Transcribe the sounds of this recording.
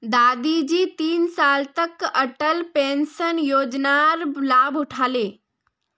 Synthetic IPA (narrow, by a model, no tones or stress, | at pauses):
d̪aːd̪id͡ʒiːt̪iːnsaːlt̪əkəʈəlpẽːnsənjoːd͡ʒnaɾlaːbʊʈʰaːleː